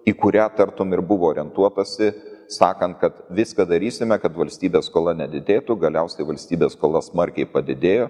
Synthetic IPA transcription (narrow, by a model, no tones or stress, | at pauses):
iːkʊɾʲæːt̪ɐɾt̪omɪɾbʊʋoːoːɾʲɛnt̪uɔt̪ɐsʲɪsɑːkɐnt̪̚kɐt̪ʋʲɪskɐd̪ɐɾʲiːsʲɪmʲɛkɐt̪ʋɐlʲsʲt̪ʲiːbʲeːsskoːlˠɐnʲɛd̪ʲɪd̪ʲeːt̪ʊɡɐlʲɛʊsʲɛɪʋɐlʲsʲt̪ʲiːbʲeːsskoːlˠɐsmɐɾʲkʲɛɪpɐd̪ʲɪd̪ʲeːjoː